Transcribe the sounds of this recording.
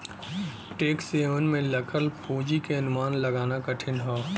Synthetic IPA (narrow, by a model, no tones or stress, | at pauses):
ʈeːkseːʋənmẽlɐkʰəlpoːd͡ʒikeɐnʊmaːnlɐɡaːnakɐʈʰɪnɦoː